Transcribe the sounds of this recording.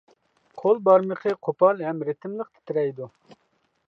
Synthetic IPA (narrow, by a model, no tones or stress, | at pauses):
qʰolˠbɑɾməqʰəqʰopɑlˠɦɛmɾɪt̪ʰɪmlˠəqt̪ʰɪ̥t̪ʰɪɾɛjd̪u